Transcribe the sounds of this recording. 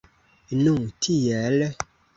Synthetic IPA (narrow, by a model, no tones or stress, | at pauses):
nũŋtʰijɛlɛ